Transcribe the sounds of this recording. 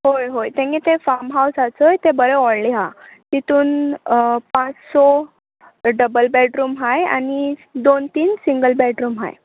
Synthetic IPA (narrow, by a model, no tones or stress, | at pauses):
ɦojɦojt̪ẽŋɡẽt̪efaɾmɦawsat͡səjt̪ẽbəɾɛɔɽliɦat̪it̪uːn | pãt͡ssɔ | ɖəbəlbɛʈɾuːmɦaja̰nid̪ont̪iːnsiŋɡəlbɛʈɾuːmɦa̰j